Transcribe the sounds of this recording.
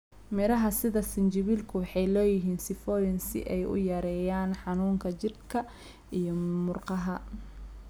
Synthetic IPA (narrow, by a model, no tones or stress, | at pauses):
mɪɾɐɦɐsɪðɐsɪnt͡ʃɪβiːlkʰʊwɑħɑjlɔːjɪɦiːnsɪfɔːjɪnsɪ̰ʔɛjʔʊ̰jɐɾɛːjaːnħɑnuːŋkʰɐt͡ʃɪrkʰɐ | ʔijɔmʊrqɑɦɐ